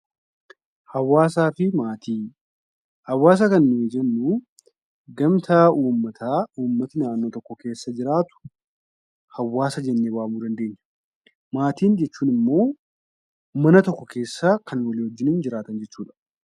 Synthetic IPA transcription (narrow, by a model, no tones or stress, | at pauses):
hɐwːaːsaːfɪmaːt̪ʰiː | hɐwːaːs̬ɐkɐnnɪɛd͡ʒɐnːu | ɡɐmt̪ʰaːuːmːɐt̪ʰaːuːmːɐt̪ɪnaːnːo̞ːt̪ɔkːɔke̞ːsːɐd͡ʒɪɾaːt̪ʊ̥ | hɐwːaːsɐd͡ʒɛnːeːwaːmuːd̪ɐnd̪e̞ːɲːɐ̥ | maːt̪iːnd͡ʒɛt͡ʃːuːnɪmːo̞ː | mɐnɐt̪ɔkːɔkʰe̞ːsːaːkʰɐnwɐliːhɔd͡ʒːɪnɪnd͡ʒɪɾaːt̪ɐnd͡ʒɛt͡ʃːuːᶑɐ̥